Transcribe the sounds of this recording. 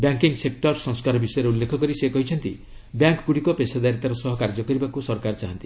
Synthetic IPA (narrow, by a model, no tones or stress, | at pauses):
bjaŋkiŋsek̚ʈɔɾsɔ̃ŋskaɾɔbisɔjɔɾeulːekʰɔkɔɾisekɔɦit͡ʃʰɔnt̪i | bjaŋkɡuɽikɔpesad̪ajɾet̪aɾɔsɔɦɔkaɾd͡ʒɔkɔɾibakusɔɾkaɾt͡ʃaɦɔnt̪i